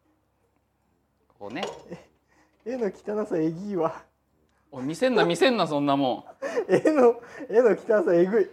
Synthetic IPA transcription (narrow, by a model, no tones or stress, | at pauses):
o̰nee | enokʲi̥t̪anasaeɡʲiβa | omʲisẽ̞nːamʲisẽ̞nːasõ̞nːamõɴenoenokʲi̥t̪anasaeɡɯ̟i